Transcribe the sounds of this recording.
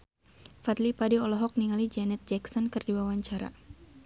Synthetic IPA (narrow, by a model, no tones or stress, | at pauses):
fat̪lipadiɔlɔɦɔk̚niŋalid͡ʒɛnɛt̪̚d͡ʒɛksɔnkɨrdiwawaɲt͡ʃaɾa̰